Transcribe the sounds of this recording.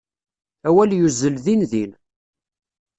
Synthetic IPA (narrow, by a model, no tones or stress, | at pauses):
æwæljuzəlðinðin